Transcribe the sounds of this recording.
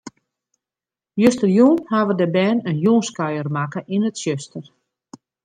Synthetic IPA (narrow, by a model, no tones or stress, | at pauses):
jøstərjunhaʋədəbɛːnənjunskœjərmakəʔinətsjøstər